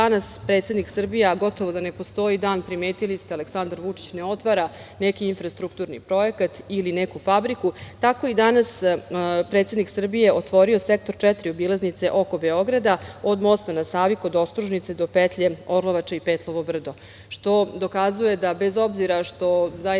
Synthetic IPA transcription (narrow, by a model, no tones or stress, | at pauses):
anaspɾe̞t̪sed̪niksr̩bijeɡo̞t̪o̞ʋod̪ane̞po̞st̪o̞id̪aːnpɾime̞ːt̪ilist̪eale̞ksand̪aɾʋut͡ʂi̥t͡ɕneo̞t̪ʋaɾa | nekiinfɾast̪ɾukt̪uɾnḭpɾo̞e̞kat̪ilinekufabɾikut̪ako̞id̪anas | pɾe̞ːt̪sed̪niksr̩bije̞ot̪ʋo̞ɾio̞sek̚t̪o̞ɾt͡ʃɛt̪ɾiobilˠaznit̪se̞ʔo̞ko̞beo̞ɡɾad̪ao̞d̪mo̞st̪anasaːʋikod̪o̞st̪ɾuʒnit̪se̞d̪o̞pet̪ʎe̞o̞ɾlˠo̞ʋat͡ʃeipeːt̪lˠo̞ʋobr̩d̪o̞ | ʃt̪o̞d̪o̞kazuje̞d̪abe̞zo̞bziɾaʃt̪o̞za